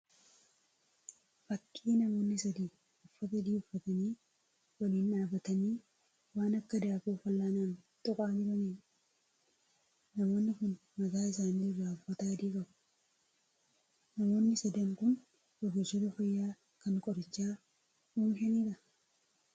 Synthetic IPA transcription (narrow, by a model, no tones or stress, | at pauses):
fɐkʼːiːnɐmo̞ːnːɪsɐd̪iː | ʊfːɐsɐd̪iːʊfːɐt̪ɐniː | wɐliːnᶑaːbɐt̪ɐniː | waːnɐkːɐd̪aːfuːfɐlːaːnaːn | t̪ʼɔkʼaːɲɪbɐniːn | nɐmo̞ːnːɪkʊn | mɐk̪aːɪs̬aːnːirːaːʊfːɐt̪aːd̪iːkʼɐbʊ̥ | nɐmo̞ːnːɪsɐd̪ɐŋkʊn | bɔɡesot̪ɐfɐjːaː | kɐŋkʼɔɾɐt͡ʃːaː | muːmɦɛniːɾɐ